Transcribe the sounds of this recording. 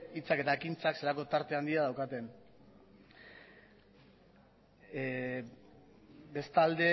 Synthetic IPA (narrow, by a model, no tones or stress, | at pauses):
it͡sake̞t̪aekint͡sakselako̞t̪aɾt̪e̞and̪iað̞awkat̪e̞n | be̞st̪ald̪e̞